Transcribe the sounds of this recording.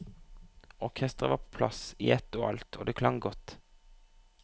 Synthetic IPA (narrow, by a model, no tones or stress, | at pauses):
ɔʁkʰɛst̪ʁəʋɑːpʰo̥ːpʰlɑ̰sɪɛt̪oːʔɑ̰lt̪ʰoːd̪eːkʰlɑŋɡɔt̪